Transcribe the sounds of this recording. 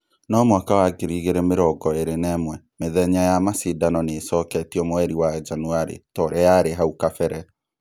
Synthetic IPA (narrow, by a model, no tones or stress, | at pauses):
nɔmwakawaɡeɾiɣeɾɛmeɾɔɡɔeɾenɛmwɛ | meðɛɲajamasidanɔnesɔːkɛtiɔmoɛɾiwad͡ʒanuaɾḛtɔɾɛjaɾeɦaukafɛɾɛ